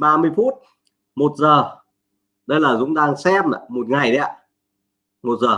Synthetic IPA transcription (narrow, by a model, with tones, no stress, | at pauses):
ɓaː˧mɨ˧əjfu˦˥t̚ | mo˨˩t̚zəː˨˩ | ɗə˧jlaː˨˩zʊ̰˨˦ŋ͡mɗaː˧ŋsɛ˧˥ma̰˧˨mo˨˩t̚ŋa˨˩jɗɛ˨˦˧ | mo˨˩t̚zəː˨˩